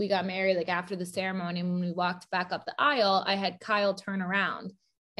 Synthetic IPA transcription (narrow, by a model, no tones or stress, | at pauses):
wiɡɑt̚mɛɹidˡlaɪkæftə˞ðɨsɛɹɨmõʊ̃niɨ̃nwə̃nwiwɔk̚t̚b̥ækʌp̚ðiʔaɪl̩ˠa̰ɪɨd̚kʰaɪl̩ˠtʰɜ̃˞nə˞ãʊ̃nd̥